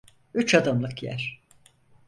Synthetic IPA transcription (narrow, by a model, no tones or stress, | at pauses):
yt͡ʃad̪amlˠɯkjæ̰ɾ̥